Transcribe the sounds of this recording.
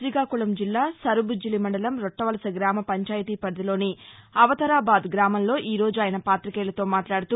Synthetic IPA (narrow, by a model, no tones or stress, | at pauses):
ɾiɡaːkulɐmd͡ʒilːaːsɐɾubud͡ʒilimɐɳɖɐlɐmɾɔʈːɐʋɐlɐsɐɡɾaːmɐpɐɲt͡ʃaːjt̪iːpɐɾd̪ɐlo̞ːniɐʋɐt̪ɐɾaːbaːd̪ɡɾaːmɐmlo̞ːʔiːɾo̞ːd͡ʒuaːjɐnɐpaːt̪ɾikɛːlɐt̪o̞ːmaːʈlaːɽut̪uː